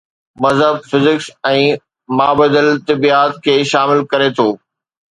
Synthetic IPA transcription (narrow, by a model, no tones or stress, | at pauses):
mɐzɦəbfɪzɪksɛ̃ː | maːbəd̪əlt̪ɪbiːaːt̪kʰeːʃaːmɪlkɐɾet̪ʰoː